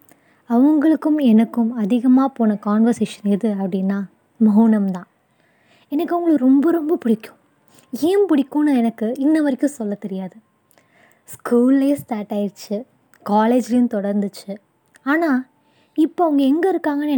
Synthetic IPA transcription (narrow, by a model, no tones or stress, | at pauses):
ɐʋɐŋɡɐɭɯkːɯmɛnɐkːɯmɐðɪɣɐmaːpoːnɐkaːnʋɐɾseːʂɐnɪðɯɐpːɐɽɪnːaː | mɐɦʊnɐmt̪ãː | ɛnɐkːɯɐʋɐŋɡɐɭɯkːɾɔmbɐɾɔmbɐpʊɽɪkːʊ̥̃ | eːmpʊɽɪkːuːnɐɛnɐkːɯɪnːɐʋɐɾɪkʲːɯ̃sɔlːɐt̪ɛɾɪjaːðɯ | skuːllɐjesʈaːʈaːjɪɾt͡ʃːɯ | kaːleːd͡ʒlɐjʊ̃mt̪ɔɽɐɾnd̪ɯt͡ʃːɯ | aːnaː | ɪpːoːɐʋɐŋɡɐɛŋɡɐɪɾɯkːaːŋɡɐnɛ